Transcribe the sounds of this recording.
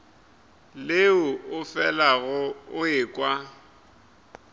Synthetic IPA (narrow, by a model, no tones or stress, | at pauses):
leʊʊfɛlaɣʊʊɪːkʼwa